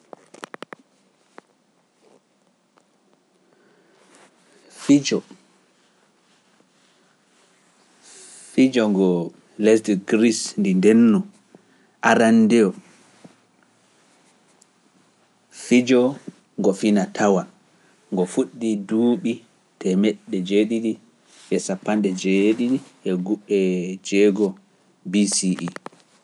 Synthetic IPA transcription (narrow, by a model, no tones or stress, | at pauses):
fid͡ʒɔ | fid͡ʒɔŋɡɔ | lɛsdɡɾisndindɛnːɔ | ʔaɾandɛɔ | fid͡ʒɔ | ŋɡɔfinatʰawa | ŋɡɔfuɗːiduːɓi | tɛmɛɗːɛd͡ʒeɗiɗi | ʔɛsapːandɛd͡ʒeɗiɗiʔɛɡuɓɛd͡ʒɛɡɔ | bisiʔi